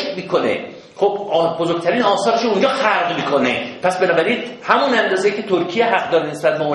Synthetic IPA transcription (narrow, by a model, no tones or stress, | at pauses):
miːkʰonḛ | χobbozoɾɡ̚t̪ʰæɾiːnɒːsɒːɾeʃound͡ʒɒːxæɾdmiːkʰonḛpʰæsbenɒːbæɾiːnhæmunænd̪ɒːzejiːkcʰe̞t̪ʰoɾkʰijeɦæʁ̚d̪ɒːɾenesbæt̪̚beo